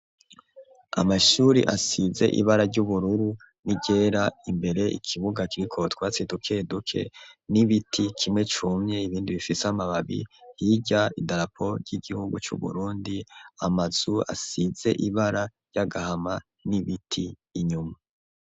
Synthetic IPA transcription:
a̰maʃuɾḭʔasize̞̰ʔḭβaɾaɾɟuβuɾuɾu | niɟe̞ːɾaimbe̞ɾe̞ʔḭkʰiβuɡakiɾikʰo̞twaːt͡sedukʰedukʰe̞̰niβitʰikʰimŋe̞t͡ʃumɲe̞iβiːndiβifiseamaβaβḭhiɟaidaɾapʰo̞ɾɟiɡihuɡut͡ʃṵβṵɾuːndia̰maz̥ua̰size̞̰ʔiβaɾaɾɟ̥aɡahama | niβitʰiː | ɲuma

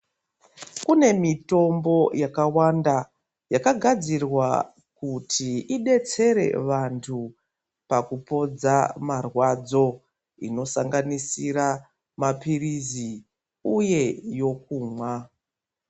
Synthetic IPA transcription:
kune̞mito̞mbo̞jakawanda | jakaɡʱad͡zirwa | kutʰiiɗe̞t͡se̞ɾe̞̰ʋantʰu | pakupo̞d͡zamarwad͡zo̞ | ḭno̞saŋɡanisiɾa | mapirizi | uje̞jo̞k̚uːmwa

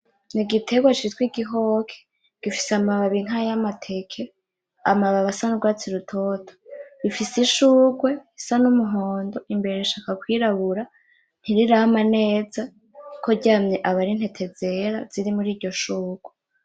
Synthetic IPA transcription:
niɡitʰe̞ɡwat͡ʃiitwiɡiɦo̞ːkʰe̥ | ɡ̥ifi̥seamaβaβiŋ̥ajamatʰe̞kʰe | a̰maβaβasanuɡwaːt͡siɾutʰo̞tʰo̥ifisiʃuːɡwe̞isanumuɦo̞ːndo̞ʔimbe̞ɾe̞iʃaːkakwiːɾaβuɾa | n̥iɾiɾaamane̞ːza | kʰoɟaːmɲeʔaβaɾin̥he̞tʰe̞ze̞ɾaz̥iɾimuɾiːɾɟo̞ʃuːɡ̥we

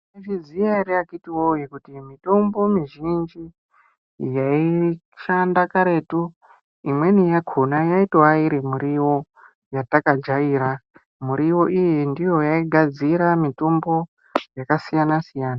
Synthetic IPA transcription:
eʐid͡zijaɾeakitiwojekutimito̞mbo̞miʒind͡ʒi | jai | ʃandakaɾe̞tu | imwe̞nijaɡʱonajaitoaiɾimuɾiwo̞ | jatakad͡ʒaiːɾa | muɾiwo̞ʔijendijo̞jaiɡʱad͡ziɾamito̞mbo̞ | jakasijanasijaːna

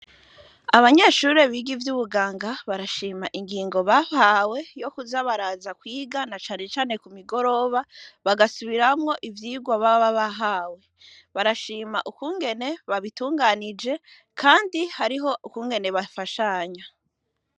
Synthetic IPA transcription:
aβaɲe̞ʃuɾe̞βiɡivjuβuɡaːŋɡaβaɾaʃiːmaʔiŋɡiːŋɡo̞βahawe̞jo̞kuzaβaɾazakwiːɡanat͡ʃaːne̞t͡ʃaːne̞kumiɡo̞ɾo̞βaβaɡasuβiɾamŋo̞ʔivjiːɡwaβaβaβaɦaːwe̞ | βaɾaʃiːmaʔukuːŋɡe̞ne̞βaβituːŋɡaːnid͡ʒe̞ | kʰaːndihaɾiɦo̞ukuːŋɡe̞ne̞βafaʃaɲa

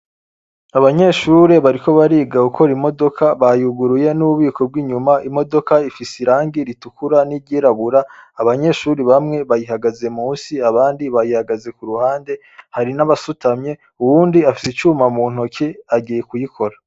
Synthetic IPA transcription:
aβaɲe̞ʃuːɾe̞βaɾiko̞βaɾiːɡaukʰo̞ɾimo̞do̞kʰaβajuɡuɾuje̞nuβuβiːkʰo̞b̚ɡiːɲumaʔimo̞do̞kaifisiɾaːŋɡiɾitukuɾaniɾɟiːɾaβuɾaːβaɲe̞ːʃuɾiβamŋe̞βajihaɡaze̞muːsiaβaːndiβajihaɡaze̞kuɾuhaːnde̞ | haɾinaβasutamɲe̞ | uwuːndiafi̥sit͡ʃuːmamuːn̥ukiaɟiːje̞kujikʰo̞ɾa

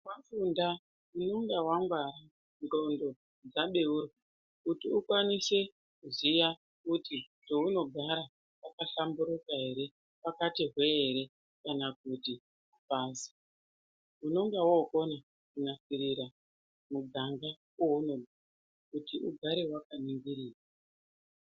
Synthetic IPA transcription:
wafunda | unoŋɡawaŋɡwaɾa | nro̞ndo̞ | d͡zaɓe̞urwa | kutiukwanise̞ | kuzija | kuti | to̞uno̞ɡʱaɾa | pakaɬambuɾukaɦe̞ɾe̞ | pakatiɦwe̞ːɾe̞ | kanak̚uti | upaːzi̥ | uno̞ŋɡawoko̞na | kunafiɾiɾa | muɡʱaŋɡa | wounoɡʱa | kutiʔuɡʱaɾe̞wakaniŋɡiɾiːra

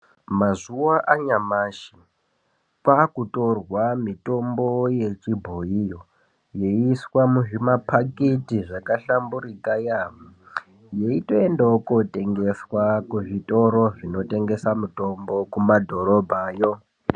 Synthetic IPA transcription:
mazuwaʔaɲamaːʃi | kakutʼo̞rwamito̞mbo̞je̞t͡ʃibʱoijo | jeiswamuʐimapʰaketiʐakaɬambuɾikajamu | jeito̞e̞ndaokotʼe̞ŋɡe̞swakuʐitʼo̞ɾo̞ʐino̞tʼe̞ŋɡe̞samuto̞mbo̞kumadʱo̞ɾo̞bʱaːjo̞

